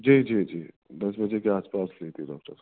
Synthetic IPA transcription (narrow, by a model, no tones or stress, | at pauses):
d͡ʒiːd͡ʒiːd͡ʒiː | d̪ɐsbəd͡ʒekeaːspaːslet̪ʰiɖɔːk̚ʈəɾ